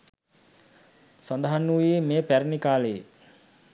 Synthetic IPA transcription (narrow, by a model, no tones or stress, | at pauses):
sand̪əɦanːuːjemeːpæɾnikaːləje